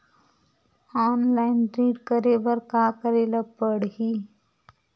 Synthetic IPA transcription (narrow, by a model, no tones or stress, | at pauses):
ɔnlainʈɾiːʈkəɾeʋəɾkakəɾeləpəɽɦiː